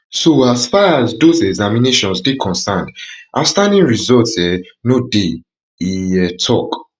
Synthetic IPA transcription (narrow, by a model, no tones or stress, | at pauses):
soasfaazdosɛɡzamineʃɔ̃nsdekʰɔ̃nsãndʔa̰stãndĩnɹizɔtɛnode | iɛtʰɔk